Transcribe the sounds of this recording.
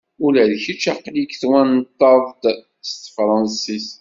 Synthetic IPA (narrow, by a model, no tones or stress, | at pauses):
ulæðçit͡ʃːæqlikθwænt̪ːɑðd̪ | st̪fɾˤɑnsis